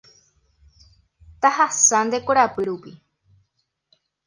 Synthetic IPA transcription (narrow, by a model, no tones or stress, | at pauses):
t̪ahasãnd̪ekoɾapɨɾupi